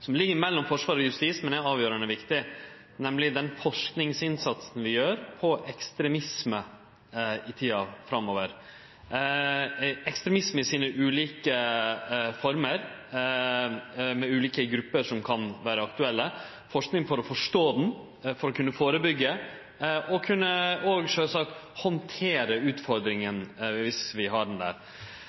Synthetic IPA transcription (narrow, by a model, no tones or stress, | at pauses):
sɔmlɪɡːəɾmɛlːɔmfɔʂʋɑːɾɔjʉst̪ismɛnɛɑːʋjøːɾəɳəʋɪkt̪ɪ | nɛmlɪd̪ɛnfɔʂknɪŋsɪnsɑt̪sn̩ʋɪjøːɾpʰɔʔɛkst̪ɾɛmɪsmə | ɪt̪ʰiːɑfɾɑmːoːʋəɾ | ɛkst̪ɾɛmɪsməɪsiːnəʔʉːliːkə | fɔɾməɾ | mɛʉːliːkəɡɾʉpːəʂɔmkʰɑnʋæːɾəɑkt̪ʉɛlːə | fɔʂknɪŋfɔɾɔfɔʂʈoːd̪ɛn̩ | fɔɾɔkʰʉnːəfoːɾəbʏɡːə | ʔɔkʰʉnːəɔɡʂøːlsɑkt̪hɔnt̪ʰeːɾəʉːt̪fɔɾd̪ɾɪŋənʋɪsʋɪɦɑɖɛnd̪æ̰ːɾ